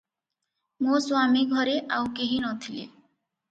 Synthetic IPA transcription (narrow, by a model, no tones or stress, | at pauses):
moswamiɡʱɔɾeʔawkeɦinɔt̪ʰilḛ